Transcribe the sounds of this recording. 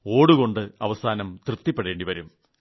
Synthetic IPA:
o̞ːɽuɣo̞ɳɖɨɐʋɐsaːnɐmt̪rɨpt̪ːipːeɽe̞ːɳɖiʋɐɾum

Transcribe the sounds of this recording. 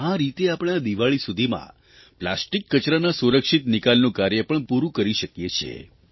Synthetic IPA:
aɾit̪eapɳ̃ad̪iʋaɭisud̪ʱimã̰ | pla̰sʈikːət͡ʃɾanasuɾəkʃit̪nikalnũkaɾjəpəɳpuɾũkəɾiʃəkjet͡ʃʰḛ

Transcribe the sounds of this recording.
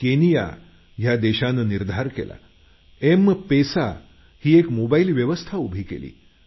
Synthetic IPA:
kenija̰ | ɦjad̪eɕanəniɾd̪ʱaɾkḛla̰ | empesa | hiːekmobailʋjəʋəst̪ʰaubʱiːkḛlḭː

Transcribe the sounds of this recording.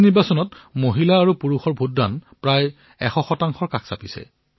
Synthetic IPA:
niɹbasɔnɔtmoɦilaːɹupuɹuxɔɹbʱutːanpɹaj | ɛxɔxɔtaŋxɔɹkaksapisɛ̰

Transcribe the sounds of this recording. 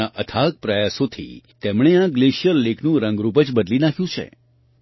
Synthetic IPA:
aʔət̪ʰak̚pɾəjasõt̪ʰḭt̪emɽ̃eãɡleʃjəlːekʰnũɾə̃ŋɡɾupət͡ʃbəd̪linakʰjũt͡ʃʰḛ

